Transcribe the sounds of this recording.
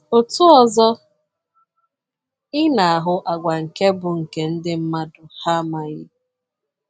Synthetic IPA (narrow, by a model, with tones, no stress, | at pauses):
ʊ˨tʊ˦ɔ˨zɔ˦ | ɪ˦na˨a˨ɦʊ˨ʔa˨ɡʷa˨ŋ̩˨ke˦bʊ˨ŋ̩˨ke˨n̩˦dɪ˦m̩˦ma˦dʊ˨ha˦ma˨ɣɪ˦